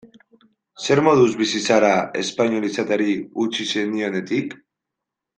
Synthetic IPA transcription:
se̞ɾmo̞ðuzβisisaɾae̞̰spaɲolisat̪eɾiut͡ʃisenio̞ne̞t̪ik

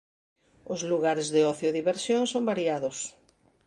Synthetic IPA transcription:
ozluɣaɾezðeɔθjoðiβeɾsjõŋsombaɾjaðʊs

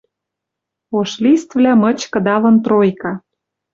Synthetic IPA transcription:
oʃlʲist̪vlʲæmɤ̆t͡ɕkɤ̆d̪ɑlɤ̆nt̪rojkɑ

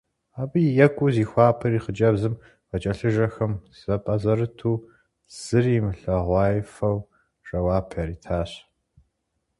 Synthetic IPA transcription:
aːbɨjɛkʷʼʊziːxʷɑːpʰɐriːχəd͡ʒɐbzɨm | vɐt͡ʃʼɐɬɨʒɐxɐmzzɐpʼɐzɐrɨtʰuː | z̥ɨriːmɨɬɐʁʷɑːjfɐw | ʐʼɐwɑːpʰjaɾiːtʰaːɕ

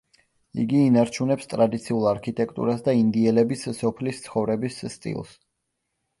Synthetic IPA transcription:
ḭɡiːnaɾt͡ʃʰunɛpst̪ʼɾad̪it̪sʰiulˠaɾkʰit̪ʼɛkʰt̪ʼṵɾasd̪aind̪iɛlɛbisːɔpʰlist̪sʰχɔvɾɛbisːt̪ʼḭlˠs

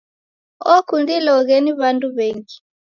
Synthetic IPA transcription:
ɔkundilɔɣɛniβanduβɛŋɡi

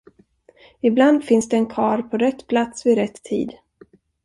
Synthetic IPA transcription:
ɪbland̪fɪnsd̪ɛːnkʰɑːɾpʰɔɾɛt̪ːpʰlat̪svɪɾɛt̪ʰːḭːd̪

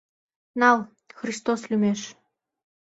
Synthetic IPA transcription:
nɑl | xrist̪oslʲymeʃ

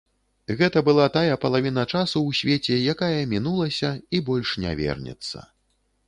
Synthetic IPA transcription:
ɣɛt̪ɐbɨlˠat̪ajɐpɐlˠavʲin̪ɐt͡ʂasuwsʲvʲet͡sʲɛjakajɐmʲinulˠɐsʲɐibɔlʲʂnʲa̰vʲɛ̰rnʲɛ̰t̪sːɐ̰

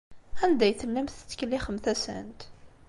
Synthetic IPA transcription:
ænd̪æjθəlːəmθt͡sːə̥kəlːiχəmθæsæ̰nt̪

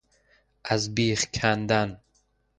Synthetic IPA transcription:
azbiːχkʲʰand̪an

